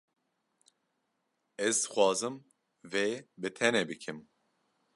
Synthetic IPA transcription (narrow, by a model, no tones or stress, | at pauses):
ɛzxʷwɑːzɨm | veːbɨt̪ʰɛnebɨkʰɨm